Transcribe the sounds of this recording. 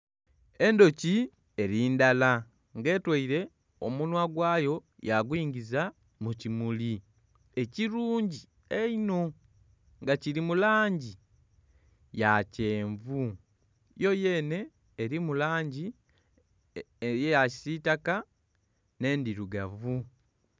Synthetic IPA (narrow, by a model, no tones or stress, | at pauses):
e̞ndo̞ci | e̞ɾiːndala | ŋɡe̞ːtwaiɾe̞ | o̰munwaɡwaːjo̞ | jaɡwiːŋɡiza | mucimuli | e̞ciɾuːɲɟi | eino̞ | ŋɡaciɾimulaːɲɟi | jace̞ːɱvu | jo̞je̞ːne̞ː | ɾimulaːɲɟi | jejaci̥sitaka | ne̞ːndiɾuɡavu